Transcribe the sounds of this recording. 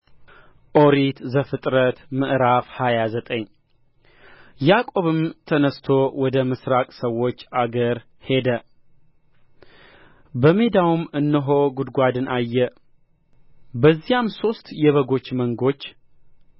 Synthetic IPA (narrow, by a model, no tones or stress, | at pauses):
ʔoɾit̪zəfɨt̪ʼɾət̪mɨʔɾafhajazət̪ʼəɲː | jakʼo̞βɨmt̪ʰənəst̪ʰo̞wɔd̪əmɨsɾakʼsəwo̞t͡ʃːaɡəɾ | he̞d̪ə | bəmed̪awumɨnːɨɦoɡud̪ɡʷad̪ɨnajːɛ | bəzːijamso̞st̪jɛβəɡo̞t͡ʃːməŋɡo̞t͡ʃː